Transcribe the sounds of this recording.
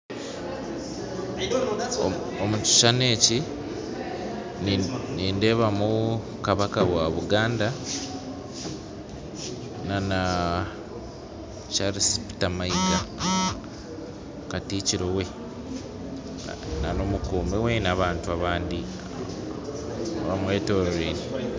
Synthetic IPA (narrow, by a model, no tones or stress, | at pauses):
omuci̥ʃane̞ːci | niːnde̞ːβamu | kaβakawaβuɡaːnda | nana | t͡ʃaɾisi̥pi̥tamaiɡa | katiːciɾowe̞ | nano̞mukoːmewenaβaːntuaβaːndi | oβamwe̞ːto̞ːɾɾeni